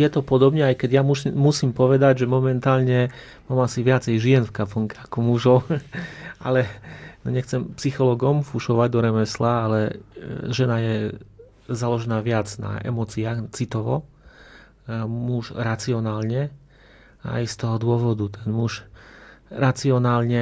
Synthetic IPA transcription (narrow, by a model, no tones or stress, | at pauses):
jɛt̪ɔpɔd̪ɔbɲɛajkɛɟjamumːusiːmpɔʋɛd̪aɟʒɛmɔmɛnt̪aːlɲɛ | maːmasiʋɪat͡sɛjʒɪɛnfkapɔŋkɛakɔmuʒɔʊ | a̰lɛnɔɲɛxt͡sɛmpsixɔlɔːɡɔmfuʃɔʋaɟd̪ɔɾɛmɛslaalɛʒɛnajɛ | zalɔʒɛnaːʋɪad͡zna̰ɛ̰mɔt͡siaːxt͡sit̪ɔʋɔ̰ | muʒɾat͡siɔnaːlɲɛ | a̰jst̪ɔɦɔd̪ʊɔʋɔd̪ut̪ɛnmuʃ | ɾat͡siɔnaːlɲɛ